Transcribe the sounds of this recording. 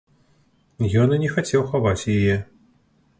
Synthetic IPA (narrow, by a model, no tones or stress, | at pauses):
jɔnɨnʲɛxat͡sʲɛwxavat͡sʲjajɛ